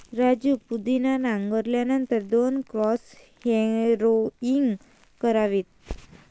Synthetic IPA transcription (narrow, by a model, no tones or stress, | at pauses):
ɾad͡ʑupud̪inanaŋɡəɾljanənt̪əɾd̪onkɾɔs | hɛɾoiŋɡ | kəɾaʋiːt̪̚